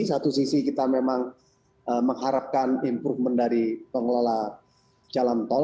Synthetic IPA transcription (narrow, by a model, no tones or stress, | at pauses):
sat̪usisikit̪amemaŋ | əməŋɦaɾap̚kanimpɾuhməndaɾipəŋəlola | t͡ʃalant̪ɔl